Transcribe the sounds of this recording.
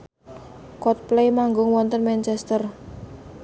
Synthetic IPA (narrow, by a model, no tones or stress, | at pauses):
kɔt̪̚plejmaŋɡʊŋwɔnt̪ənmɛnt͡ʃɛst̪ər